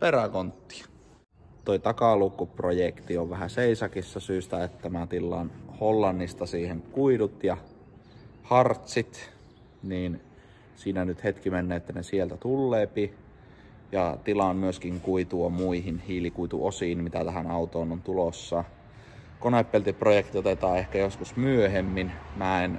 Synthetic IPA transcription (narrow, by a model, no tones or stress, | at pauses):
peɾækont̪ːi̥ɑ | t̪oit̪ɑkɑlukːuprojekt̪ioʋʋæhæseisɑkisːɑsyːst̪æet̪t̪ːæmæt̪ilːɑnholːɑnːist̪ɑsiːheŋkuidut̪jɑ | hɑrt̪sit̪ | niːn | siːnænyt̪het̪kimenːeːet̪ːænesielt̪æt̪ulːeːpi | jɑt̪ilɑmmyøskiŋkuit̪uɑmuihinhiːlikuit̪ṵʔosiːnmit̪æt̪æhænɑut̪oːnont̪ulosːɑ | konepːelt̪iprojekt̪iot̪et̪ɑːehkæjoskusmyøhemːinmæen